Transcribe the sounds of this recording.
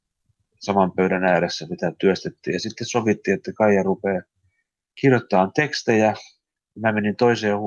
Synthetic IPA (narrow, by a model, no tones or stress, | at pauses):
sɑmɑmpøydænæːɾesːæsit̪æt̪yøst̪et̪ːḭːjɑsit̪ːessoʋit̪ːiːot̪ːɑkɑijɑrupeː | kirjot̪ːɑːnt̪ekst̪ejæ | mæmenint̪oiseːh